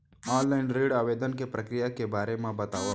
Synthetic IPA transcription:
ɔːnlaːɪnɾeːɽaːʋeːd̪ənkepɾɐkɾijakebaːɾemẽbɐt̪aːʋa

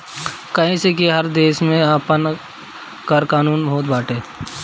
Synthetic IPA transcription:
kɐɦĩsekeɦɐɾd̪eːʃmẽaːpən | kəɾkaːnuːnbʱɦoːt̪̚baːʈeː

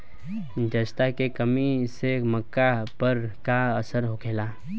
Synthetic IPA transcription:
d͡ʒəst̪akekəmisemɐkːapəɾkaəsəɾɦokʰeːlaː

